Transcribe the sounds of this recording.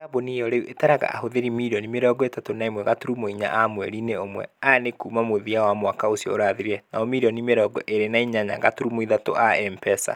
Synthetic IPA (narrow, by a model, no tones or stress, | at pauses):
abonijɔɾeuʔetaɾaɣa̰ʔa̰hoðeɾimiɾɔnimeɾɔɡɔetatonaemwɛɣatoɾumoiɲa̰ʔamwɛɾineomwɛ̰aanekuːmamoðiawamwakaosijɔoɾaðeɾɛnaɔmiɾɔnimeɾɔːɡɔ̰ʔeɾenaiɲaɲa̰ɣatoɾumoiðato̰ʔaɛmpɛsa̰